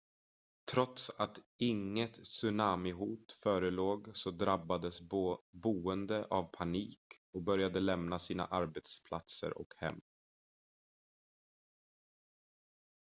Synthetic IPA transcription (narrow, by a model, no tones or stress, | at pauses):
t̪ʰɾɔt̪sat̪ɪŋːət̪sɵnaːmɪɦuːt̪fœːɾəloːɡsɔd̪ɾabːad̪əsbuːənd̪əʔavpʰaniːkɔkbœɾjad̪əlɛmnasiːna̰ʔaɾbet̪spʰlat̪sə̰ɾʔɔ̰khɛ̰mː